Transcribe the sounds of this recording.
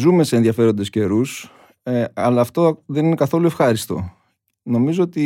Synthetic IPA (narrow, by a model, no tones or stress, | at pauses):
zume̞seːnðiɐfe̞ɾo̞nd̪e̞sce̞ɾus | ɐlɐːft̪o̞ðe̞nine̞kɐθo̞lue̞fxɐɾist̪o̞̰ | no̞mizoot̪i